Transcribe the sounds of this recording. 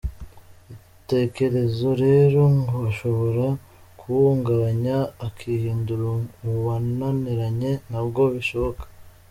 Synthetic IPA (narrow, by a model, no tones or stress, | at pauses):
i | te̞ke̞ɾe̞zo̞ɾe̞ɾo̞ŋɡoaʃo̞βo̞ɾa | kʰuwuːŋɡaβaɲaːkʰihiːnduɾuuβananeɾaɲe̞nabɡo̞βiʃo̞βo̞kḁ